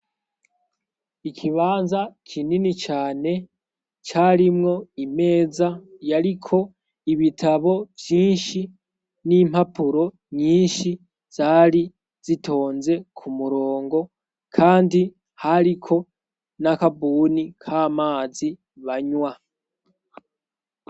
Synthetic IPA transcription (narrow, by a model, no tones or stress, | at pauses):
ikʰiβaːnzakʰininit͡ʃaːne̞ | t͡ʃaːɾimŋo̞ime̞ːzajaɾikʰo̞ | iβitʰaβo̞vjiːnʃi | nim̥hapuɾo̞ | ɲiːnʃi | z̥aːɾi | z̥itʰo̞ːnze̞kʰumuɾo̞ːŋɡo̞ | kʰaːndi | haɾikʰo̞ | nakabuːnikʰaːmaːzi | βaɲwa